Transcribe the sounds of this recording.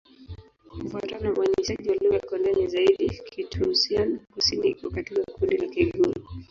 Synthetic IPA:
m̩fatanɔmwaɲisaʄiwalikɔndanizaiɗikʰitʰusianakusiniakatiɓakʰundilakiɡu

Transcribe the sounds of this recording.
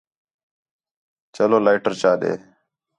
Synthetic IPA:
t͡ʃəloːlaɪʈəɾt͡ʃaːɗ̪ḛː

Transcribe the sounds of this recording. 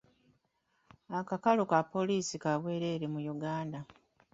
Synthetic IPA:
akakalokapːo̞liːsikaβwe̞ːɾeːɾimujuɡaːnda

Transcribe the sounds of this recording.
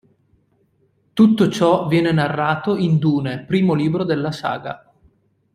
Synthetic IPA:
t̪ut̪ːot͡ʃɔvjɛːnenarːaːt̪oind̪uːnepɾiːmoliːbɾod̪elːasa̰ːɡa̰

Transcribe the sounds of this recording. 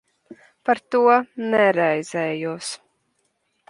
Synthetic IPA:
paɾt̪uɔnɛɾɛjzɛːjuɔs

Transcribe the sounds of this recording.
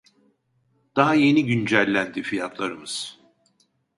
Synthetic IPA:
d̪̥aɦaje̞niɟynd͡ʒælʲːænd̪ifijat̪ʰlˠaɾɯmɯz̥

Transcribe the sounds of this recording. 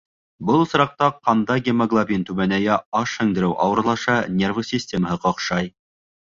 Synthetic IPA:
bɤlˠsɾɑq̚t̪ɑqːɑnd̪ɑɡʲemɐɡlˠabʲint̪ʉmænæjæɑʃhɵ̆ŋd̪ɘ̆ɾɘwʔɑwɤ̆ɾlˠɑʃɑnʲervəsʲisʲtʲeməɦɤqɑ̆qʃɑj

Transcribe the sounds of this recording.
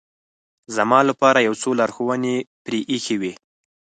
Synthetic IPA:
zamɑlapɑɾajawt͡solɑɾxowənepɾeʔixewi

